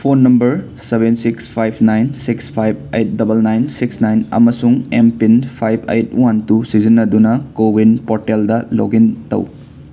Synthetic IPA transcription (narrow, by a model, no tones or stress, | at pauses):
pʰonːɐmbɐɾ | sebensikspʰajb̚ʰnajnsikspʰajb̚ejt̚dɐbɐlnajnsiksnajnɐ̰mɐsuŋempinpʰajbʰʱḛjtwantusizinːɐdunɐkobinpoɾteldɐlo̰ɡintɐ̰w